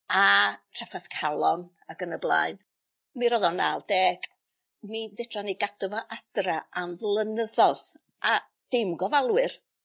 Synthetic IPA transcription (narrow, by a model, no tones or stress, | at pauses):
atʰrafaθkʰalˠɔn | aɡənəblˠa̰ːɨn | miɾɔðɔnːawdeːɡ̥ | miðɪtʰrɔniɡadɔvɔʔad̥raamvlˠənəðɔð | ʔa | d̥ɪmɡɔvalˠwɨr